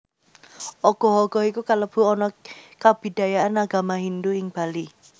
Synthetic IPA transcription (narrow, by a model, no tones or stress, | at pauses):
ʔɔɡ̥ɔ̤ɦɔɡ̥ɔikukaləb̥ṳɔnɔkab̥i̤d̥a̤jaʔanaɡ̥a̤maɦind̪uɪŋb̥a̤li